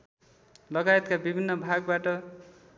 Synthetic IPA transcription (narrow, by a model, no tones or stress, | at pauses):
lʌɡajet̪kabibʱinːʌbʱaɡbaʈʌ